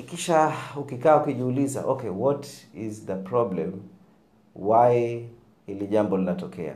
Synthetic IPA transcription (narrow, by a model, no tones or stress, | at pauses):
ikiʃaukikaːukiʄiuliza̰ʔɔkɛwɔtizðəpɾɔblɛm | wai | hiliʄambɔlinatɔkɛ̰a̰